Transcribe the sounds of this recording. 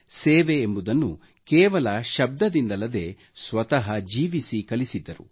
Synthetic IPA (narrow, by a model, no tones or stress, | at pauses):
seːʋeːmbud̪ɐnːu | kɛːʋɐlɐʃɐb̚d̪ɐd̪ind̪ɐlːɐd̪e̞ː | sʋɐt̪ɐɦɐd͡ʒiːʋisikɐlisid̪ːɐɾṵ